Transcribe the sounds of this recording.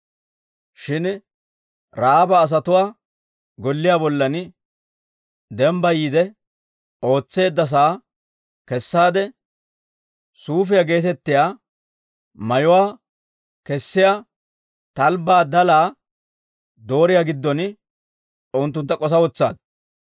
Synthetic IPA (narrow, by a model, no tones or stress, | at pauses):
ʃɪn | ɾaːbɐːs̬ɐt̪ʊwaː | ɡɔlːɪjaːbɔlːɐn | d̪ɛmbɐjiːd̪ɛ | o̞ːt͡sːe̞ːd̪ːɐs̬aː | kɛsːaːd̪ɛ | suːf̬ɪjaɡe̞ːt̪ɛt̪ːɪjaː | mɐjʊwaː | kɛsːɪja | t̪ɐlbaːd̪ɐlaː | d̪o̞ːɾɪjaɡɪd̪ːɔn | ʊnt̪̬ːʊnt̪ːɐkʼɔs̬ɐwɔt͡sːa̰ːd̪̚